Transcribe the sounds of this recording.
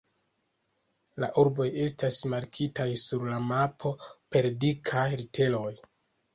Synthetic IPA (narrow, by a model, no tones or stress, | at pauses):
laʔuɾbo̞je̞stasmaɾkʰitajsuɾlamapʰo̞pe̞ɾdikʰajɾitʰe̞lo̞j